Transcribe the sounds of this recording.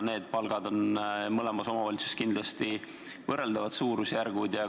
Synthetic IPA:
ne̞ːd̪̥̚pɑlɡ̥ɑd̪o̞nmɤle̞mɑso̞mɑvɑlʲit̪su̥skind̪̥lɑst̪i | vɤrːe̞ld̪ɑvɑd̪suːɾusjærɡ̥ud̪jɑ

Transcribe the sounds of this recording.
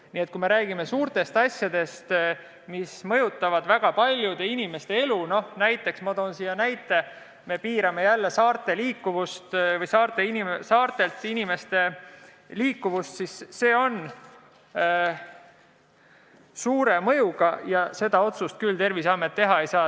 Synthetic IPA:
niːet̪̚ˑkujme̞ɾæːɡime̞suːrt̪e̞st̪ɑsʲjɑd̪̥e̞st̪ | mismɤ̞jut̪ːˑɑvɑd̪̥væɡ̥ɑpɑlʲjud̪̥e̞inime̞st̪e̞eluno̞hnæjt̪ːˑe̞ksmod̪oːnsijɑnæjt̪ːˑe̞ | me̞piːɾɑme̞jælːe̞sɑːrt̪ˑe̞liːkːuvust̪vɤjsɑːrt̪ˑe̞inisɑːrt̪e̞lt̪inime̞st̪e̞ | liːkːuvust̪sisːe̞ːo̞n | suːɾe̞mɤ̞juɡ̥ɑjɑse̞d̪ɑo̞t̪sust̪̚kylt̪e̞rvisɑmːe̞t̪ːe̞ɦɑe̞jsɑː

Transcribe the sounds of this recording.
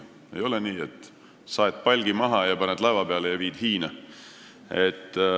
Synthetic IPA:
ḛjo̞leniːet̪ː | sɑet̪̚ːˑpɑlʲɡimɑɦɑjɑpɑned̪lɑvɑbeɑlejɑviːd̪̥hiːnɑ | et̪ː

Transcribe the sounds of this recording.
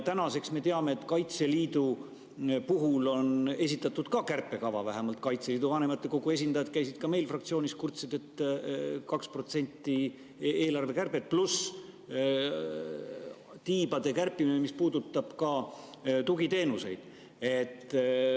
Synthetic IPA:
t̪ænɑse̞ksme̞t̪e̞ɑme̞ːt̪ːˑkɑjt̪se̞liːd̪u | puɦulo̞ne̞s̬ʲit̪ːˑɑt̪ːˑud̪̥kɑkærpːˑe̞kɑvɑvæɦemɑlt̪̚kɑjt̪seliːd̪uvɑne̞mɑt̪ːˑe̞ko̞ɡ̥ue̞s̬ʲind̪ɑjɑd̪̥̚kæjsid̪̥̚kɑme̞jlfrɑk̚t̪sioːnʲiskurt̪sed̪̥e̞t̪ | kɑksprot̪se̞nʲt̪ːˑi | e̞ːlɑrve̞kærpet̪̚plus | t̪iːb̥ɑd̪e̞kærpːˑiminemispuːd̪̥ut̪ːˑɑb̥kɑ | t̪uɡit̪e̞ːnuse̞̰jd̪̥ | e̞t̪ːˑ

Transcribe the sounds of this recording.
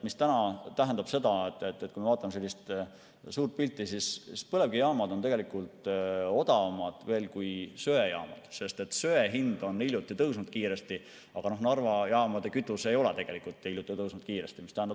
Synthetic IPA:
mist̪ænɑt̪æɦænd̪ɑb̥se̞d̪ɑet̪ːˑet̪ːet̪kujmeɑːt̪ːˑɑmese̞lʲːist̪ | suːrt̪̚pilʲt̪ˑːisisspɤle̞vɡ̥ijɑːmɑd̪o̞nt̪e̞ɡe̞likˑult̪o̞d̪̥ɑvɑmɑd̪̥ve̞ːlkujsø̞ejɑ̰ːmɑ̰d̪̥se̞st̪e̞t̪søeɦind̪o̞nːilʲjut̪ːˑit̪ɤwsnud̪̥̚kiːɾest̪i | ɑɡ̥ɑno̞hnɑrvɑjɑːmɑd̪e̞kyt̪ːˑuse̞jo̞let̪e̞ɡ̥e̞likult̪ːˑiiljut̪ːˑit̪ɤwsnud̪̥̚kiːɾest̪imist̪æhænd̪ɑ

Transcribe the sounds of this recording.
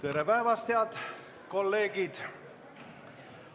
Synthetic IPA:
t̪eɾepæevɑst̪eɑd̪̥ | ko̞lːe̞ːɡid̪̥

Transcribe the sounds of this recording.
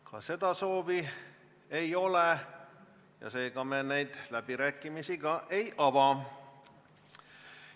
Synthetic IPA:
kɑ̰se̞d̪̥ɑso̞ːvi | ejo̞le | jɑ̰se̞ːɡ̥ɑmenejd̪̥læb̥iɾæːkːˑimisiɡɑʔe̞jʔɑvɑ

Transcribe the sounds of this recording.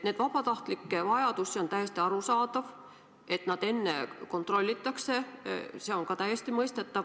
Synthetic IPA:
ne̞d̥̪vɑb̥ɑt̪ɑht̪likːevɑjɑd̪usio̞nt̪æjest̪iɑɾusɑːd̪ɑv | e̞t̪nɑd̪̥e̞nːe̞̰ko̞nt̪ro̞lʲːit̪ːˑɑkse̞se̞o̞ŋkɑt̪æjːest̪imɤjst̪e̞t̪ːˑɑv

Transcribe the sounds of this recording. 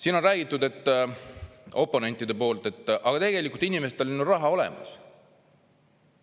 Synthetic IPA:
siːno̞nræːɡ̥it̪ːˑud̪e̞t̪ːˑ | o̞pːˑo̞ne̞nt̪ːˑid̪e̞po̞ːlt̪e̞t̪ːˑʔɑɡɑt̪e̞ɡe̞likult̪inimeset̪ːe̞lʲinurɑɦɑo̞le̞̰mɑ̰s

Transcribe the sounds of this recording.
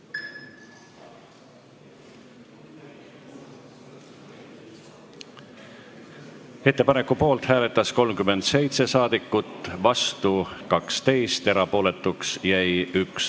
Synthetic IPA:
e̞t̪ːe̞pɑne̞kːˑupo̞ːlt̪hæːle̞t̪ːˑɑsko̞lmkymːe̞nd̪̥se̞jt̪se̞sɑːd̪̥ikːˑut̪ːvɑst̪ukɑkst̪e̞jst̪e̞ɾɑpo̞ːle̞t̪ˑːuksjæjyks

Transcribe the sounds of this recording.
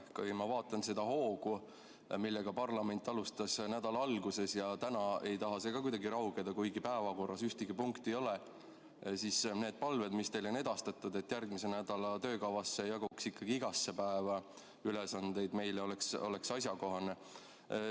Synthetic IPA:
kujmɑvɑːt̪ːˑɑnse̞d̪̥ɑho̞ːɡ̥u | milːeɡ̥ɑpɑrlɑme̞nt̪ːˑɑlust̪ɑsnæd̪̥ɑlɑɑlɡuse̞sjɑt̪ænɑe̞jt̪ɑɦɑseɡ̥ɑkujd̪ɑɡiɾɑwɡed̪̥ɑkujɡipæevɑko̞rːɑsyht̪iɡ̥ipuŋkt̪ijo̞le | sisne̞ːd̪̚pɑlve̞d̪̥mist̪e̞jlo̞ne̞d̪̥ɑst̪ɑt̪ːud̪e̞t̪ːjærɡmise̞næd̪̥ɑlɑt̪ø̞ːkɑwvɑsːejɑɡuksikːɑɡ̥iiɡ̥ɑsːepæevɑ | ylesɑnd̪̥e̞jd̪me̞jleo̞lekso̞̰leksɑsjɑko̞ɦɑne̞

